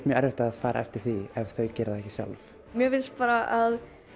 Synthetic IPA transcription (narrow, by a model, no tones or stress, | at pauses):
t̪mjœːɾɛɾvɪht̪aːðfaːɾa̰ɛft̪ɪɾ̥θiɛv̥θœɥcɛːɾðaɛhcːɪ̥sja̰lv | mjɛvɪlspaːɾaʔað